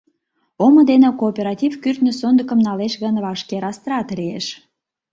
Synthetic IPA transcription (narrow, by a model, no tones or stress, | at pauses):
omə̆d̪enĕkoːpʲeɾɑtʲivkyrt̪nĕsond̪ə̆kə̆mnɑleʃɣənβɑʃkeɾɑst̪ɾɑt̪lieʃ